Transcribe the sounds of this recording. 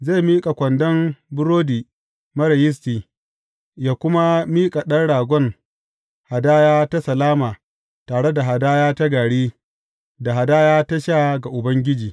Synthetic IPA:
ze˦˨miː˦kʼa˨kʷɐ˨ndɐ˦mbʊ˦ɾoː˦diː˨ | mɐ˦ɾɐ˨jɪ˦s̬tiː˨ | jaː˦kʷʊ˦ma˦miː˦kʼa˨ɗɐ˦nɽaː˨ɡʷɔ˦ŋ | ha˨daː˦jaː˦ta˦sɐ˨laː˦maː˨ | taː˨ɽe˦da˨ɦa˨daː˦jaː˦ta˦ɡaː˨ɽiː˦ | da˨ɦa˨daː˦jaː˦ta˦ʃa˦ɡa˨ʔʊ˨bɐ˦ŋɡʲɪ˦d͡ʒiː˨

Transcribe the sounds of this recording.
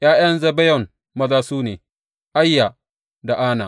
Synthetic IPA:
j̰aː˦j̰ɐ˦nzɐ˦bɛ˦jɔ˨n | mɐ˦zaː˦suː˦neː˨ | ʔa˦jːa˨ | da˨ʔaː˦na̰˨

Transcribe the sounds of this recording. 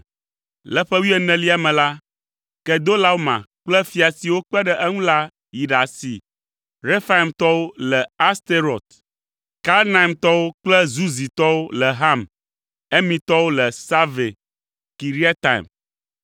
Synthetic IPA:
lɛ˦ɸɛ˦wi˦ɛ˦nɛ̃˨li˦a˨mɛ̃˨la˦ | kɛ˨d̪o˦la˦wo˦mã̰˨k͡plɛ˦fi˨a˨si˨wo˦k͡pɛ˦ɖɛ˦ʔɛ˦ŋũ˦la˦ | ji˨ɖa˨sḭ˨ | ɾe˦fa˦i˨mt̪ɔ˦wo˦lɛ˨a˦st̪e˦ɾɔ˨t̪ | ka˦lna˨i˨mt̪ɔ˦wo˦k͡plɛ˦zu˦zi˨t̪ɔ˦wo˦lɛ˨ɦa˦˨m | ɛ˦mĩ˨t̪ɔ˦wo˦lɛ˨sa˦ve˨ | ki˨ɾi˦a˦t̪a˨ḭ˨m

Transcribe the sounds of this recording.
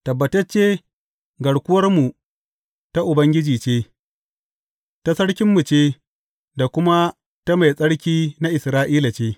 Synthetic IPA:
tɐ˨bːɐ˨tɐ˦t͡ʃːeː˦ | ɡɐ˨ɽkʷʊ˦wɐ˦rmu˨ | ta˦ʔʊ˨bɐ˦ŋɡʲɪ˦d͡ʒiː˨t͡ʃeː˦ | ta˦sɐ˦ɽkʲɪ˦mːu˨t͡ʃeː˦ | da˨kʷʊ˦ma˦ | ta˦ma˨jsʼɐ˦ɽkʲiː˦na˦ʔɪ˨sɾaː˦ʔiː˦la˨t͡ʃeː˦

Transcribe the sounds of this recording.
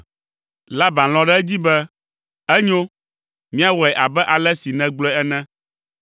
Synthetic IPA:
la˦bã˨l̃ɔ̃˦ɖɛ˦ɛ˦d͡ʑi˦bɛ˦ | ɛ˦ɲo˦ | mĩ˦a˦wɔ˨ɛ˨ʔa˨bɛ˦ʔa˨lɛ˦si˨nɛ̃˦ɡ͡blɛ˦ɛ˦nɛ̃˦

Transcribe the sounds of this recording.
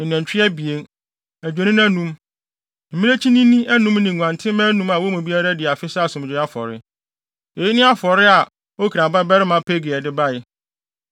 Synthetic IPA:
n˨ɛ̃˨ɲ˨t͡ɕᶣɪ˦ɛ˦bi˨e˦n | æ˨d͡ʑᶣe˨nĩ˦n˦æ̃˦nũ˦m | m̩˨mĩ˦ne˦t͡ɕʰi˦nĩ˦nĩ˦ɛ˦nũ˦mnĩ˨ŋʷ˨ã˨ntʰɪ̃˦mɛ̃˦nũ˦ma˨wo˦mũ˨bi˦a˦ɾa˦dɪ˨a˨fɪ˦sa˦˨sʊ̃˨m˨d͡ʑᶣɪ˨˦a˦fɔ̰˨ɾɪ̰˦ | e˨ji˦nɪ̃˦a˦fɔ˨ɾɪ˦a˨ | o˦kʰã˨ba˦bɛ˦ɾɪ˦mã˨˦pʰe˦ɡɪ˨ɛ˨dɪ˦ba˦ɪ˦

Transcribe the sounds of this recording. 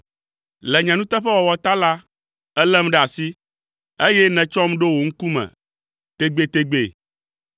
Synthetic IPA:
lɛ˨ɲã˨nũ˦t̪ɛ˦ɸɛ˦wɔ˨wɔ˨t̪a˦la˦ | ɛ˦lɛ˦m˦ɖɛ˦˨a˨si˦ | e˦jɛ˦nɛ̃˨t͡ʃɔ˦m˦ɖo˦wo˨ŋ̩˦ku˦mɛ̰̃˨ | t̪e˦ɡ͡be˦t̪e˦ɡ͡be˦˨

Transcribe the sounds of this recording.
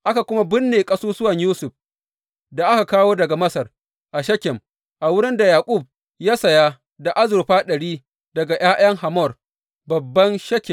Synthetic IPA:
ʔa˦ka˨kʷʊ˦ma˦bɪ˦nːeː˨kʼɐ˦suː˦sʊ˦wɐ˨ɲjuː˦sʊ˨ɸ | da˨ʔa˦ka˨kaː˦woː˦dɐ˨ɡa˨mɐ˦sɐ˨r | ʔa˨ʃɐ˦kʲɪ˨m | ʔa˨wʊ˦ɽɪ˦nda˨jaː˨kʷʼʊ˦˨b̚ | jaː˦sɐ˨ja˦ | da˨ʔa˦zʊ˨ɾɸaː˦ɗɐ˨ɽiː˦ | dɐ˨ɡa˨j̰aː˦j̰ɐ˦ŋha˨mɔ˦˨r | bɐ˨bːɐ˦nʃɐ˦kʲɪ˨m

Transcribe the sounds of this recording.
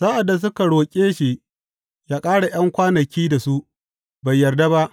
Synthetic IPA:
sa˦ʔa˨dːa˨s̬ʊ˦ka˨ɽoː˨kʲʼeː˦ʃi˨ | jaː˦kʼaː˦ɽa˨j̰ɐ˦ŋkʷaː˦nɐ˨kʲiː˦da˨su˦ʔ | ba˨jːɐ˨rda˦ba˦ʔ

